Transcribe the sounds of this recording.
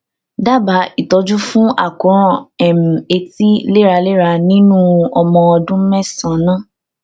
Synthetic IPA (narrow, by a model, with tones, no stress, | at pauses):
da˦˨ba˨˦i˦˨tɔ˧˦d͡ʒu˦fũ˦a̰˦˨kɔ̃˨˦ɾ̃ɔ̃˦˨ɛ˨m̩̃˨e˧ti˦le˦˨ɾa˧le˦˨ɾa˧nĩ˦nũ˦ɔ˧mɔ̃˧ɔ˧dũ˦mɛ˦˨sã˨nãː˦˨